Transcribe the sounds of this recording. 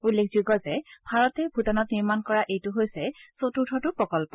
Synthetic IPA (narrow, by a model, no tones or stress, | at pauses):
ulːekʰzuɡɔzɛbʱaɹɔtɛbʱutɔnɔtniɹmankɔɹaʔejtʊɦojsɛsotutʰɔtʊpɹɔkɔlpɔ